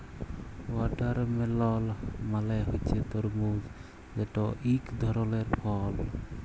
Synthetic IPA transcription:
waʈaɾmɛlɔlmalajɦojt͡ʃʰet̪ɔɾmuz | zɛʈɔʔikd̪ʱɔɾɔleɾpʰɔl

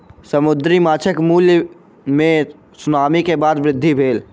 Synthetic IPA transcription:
səmʊd̪ɾimaːt͡ʃʰəkmuːlj | mẽ | sʊnaːmikebaːd̪ʋɾɪd̪ʱːibʱeːl

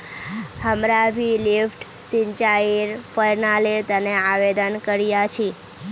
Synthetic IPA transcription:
həmɾabʱilifʈsiɲt͡ʃaiɾfəɾnaliɾt̪əneaʋed̪ənkəɾijat͡ʃʰi

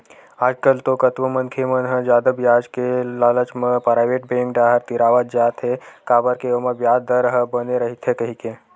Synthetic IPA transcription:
aːd͡ʒkəlt̪okət̪ʋəmənkʰemənɦəd͡ʒaːd̪əbjaːd͡ʒkelaːlət͡ʃməpɾajʋeʈ̚bẽŋkɖaːɦəɾt̪iɾaʋat̪̚d͡ʒaːt̪ɦekaːbəɾkeəməʋjaːd̪əɾɦəbəneɾəɦit̪ʰɦekəɦike

